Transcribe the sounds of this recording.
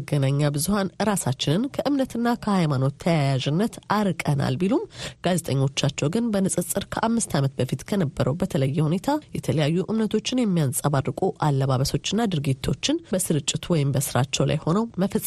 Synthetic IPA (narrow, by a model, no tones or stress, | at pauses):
ɡːənaɲːabɨzuhanɨɾasat͡ʃːɪnɨnkʰəʔɨmnət̪ɨnːakʰəhajmano̞t̪ʰːəjajaʒɨnːət̪aɾkʼəna̰lbilumɡ̥aze̞t̪ʼəɲːo̞t͡ʃːat͡ʃːɛwɡɨnbənɨsʼɨsʼɨɾkʰəʔamːɨst̪ʰamət̪̚bəfit̪kʰənəbːəɾəwbət̪ʰələjːɛhune̞t̪ʰajɛt̪ʰələjajːuʔɨmnət̪ʰo̞t͡ʃːɪnjɛmːijansʼaβarːɨkʼuʔalːəβaβəso̞t͡ʃːɨnːad̪ɨɾɡit̪ʰːo̞̰t͡ʃːɪnbəsɨɾɨt͡ʃʼːɪt̪ʰwɔjɪmbəsɨɾat͡ʃːɛwla̰jho̞nəwməfəsʼ